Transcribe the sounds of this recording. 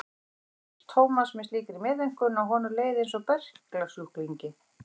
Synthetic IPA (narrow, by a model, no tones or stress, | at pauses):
t̪ʰoːwmasmɪnsliːkɪɾimɛːðeŋ̥kʏnawɦɔːnʏɾleːjðɪens̬ɔpɛr̥klaɾ̥suk̪viɲcɪ